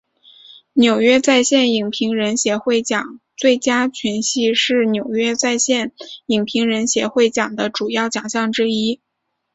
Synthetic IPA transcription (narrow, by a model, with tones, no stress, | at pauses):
njo˨˩ʊɥɛ˥t͡sa˥˧ɪɕjɛ˥˩ni˨˩ŋpʰi˧˥ŋɻə˧˥nɕjɛ˧˥xwe˥˩ɪt͡ɕjɑ˨˩˦ŋt͡swe˥˩ɪt͡ɕja˥t͡ɕʰy˧˥nɕi˥˧ʂɻ̩˥˩njo˨˩ʊɥɛ˥t͡sa˥˧ɪɕjɛ˥˩ni˨˩ŋpʰi˧˥ŋɻə˧˥nɕjɛ˧˥xwe˥˩ɪt͡ɕjɑ˨˩ŋd̪ə˦ʈ͡ʂu˨˩jɑ˥˩ʊt͡ɕjɑ˨˩ŋɕjɑ˥˧ŋʈ͡ʂɻ̩˥i˥